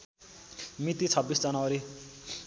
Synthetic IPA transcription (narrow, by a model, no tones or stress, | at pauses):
mit̪it͡sʰʌbːisd͡zʌnaʌɾi